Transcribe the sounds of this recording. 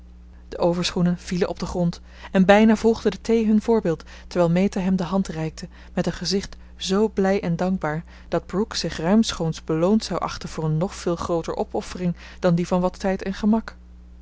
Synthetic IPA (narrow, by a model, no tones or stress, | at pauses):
d̥əʔowvəɹsχunənv̥ilənʔɔb̚dəχrɔnt | ɛnbɛjnaːvɔlˠʁdədətejɦɵnvʊːɹbɪːlˠt | təɹʋɛːlˠmejtaɦɛmdəɦɑntrɛjk̚tʰə | mɛtənχəzɪχt | z̥owblɛjʔɛndɑŋɡ̚baːɹ | d̥ɑd̚bruksɪχrœɥmsχownzbəlowntsɑwʔɑ̰χtənv̥ʊːɹənːɔχfɪːlˠχrowtəɹʔɔpɔfərɪŋ | d̥ɑndivɑnʋɑtɛjtɛnχəmɑk